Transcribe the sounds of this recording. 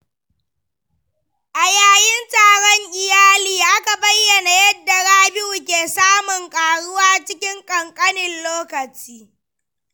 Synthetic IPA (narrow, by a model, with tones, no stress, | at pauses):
ʔa˨jaː˦jɪ˦ntaː˨ɽɔ˦ŋʔɪ˨jaː˦liː˨ʔa˦ka˨bɐ˦jːɐ˨na˨jɐ˦dːa˨ɽaː˦bɪ˦ʔu˨kʲeː˨saː˦mʊ˨ŋkʼaː˨ɽʊ˦waː˦t͡ʃɪ˦kʲɪ˦ŋkʼɐ˨ŋkʼɐ˦nɪ˨nloː˦kɐ˨t͡ʃiː˦